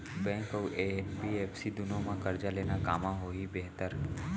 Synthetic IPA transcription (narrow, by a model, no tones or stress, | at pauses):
bɛ̃ːŋkɔʔepieːpsid̪ʊnõmãkɐɾd͡ʒaleːnakaːmãɦoːibeɦt̪əɾ